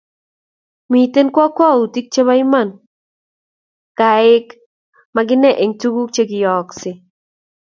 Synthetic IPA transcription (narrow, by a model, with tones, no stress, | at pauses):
mi˨t̪e˦nkwɔ˦kwɔ˦u˨ti˦k̚t͡ʃe˦ba˦ɪ˦ma˦˨n | ka˨ɪ˦k | maɡɪ˦nɛ˦˨ʔe˨ŋtu˦ɡu˦t͡ʃe˦ɡɪ˨jɔ˨ksɪ˨